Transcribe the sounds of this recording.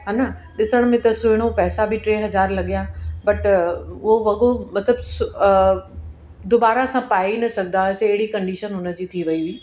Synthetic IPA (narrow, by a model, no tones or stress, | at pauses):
ɦaːnɐɗɪsəɽ̃mẽt̪ɐsʊɪɽ̃opɛːsabʱɪʈɾeːɦɐzaːɾlɐɠijabɐʈʊɦoʋɐɠomɐt̪ləbs | d̪oːbaːɾasãpaːinɐsɐɡʱnd̪aɐseːɦɪɽikɐ̃ɳɖiːʃənɦʊnə̆d͡ʑiːt̪ʰiʋɐiʋiː